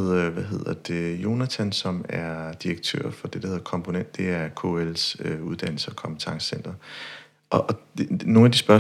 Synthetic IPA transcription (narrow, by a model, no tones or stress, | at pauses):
ð̰ˠʋæɦe̝ð̰ˠɐd̥e̝jo̝næt͡sʰænsɒ̽mæɐd̥iʁeɡ̥̚t͡sʰø̰ɐ̰fɒ̽d̥e̝ɾ̥ɐhe̝ð̰ˠɐkʰɒ̽mpʰo̝nen̰d̥ːe̝æɐkʰo̝̰elsøuð̞̥ˠæn̰l̩səɒkʰɒ̽mb̥e̥t͡sʰɑ̈ŋssen̰d̥ɐ | ʔɒʔno̝ːnæd̥isb̥ɶɐ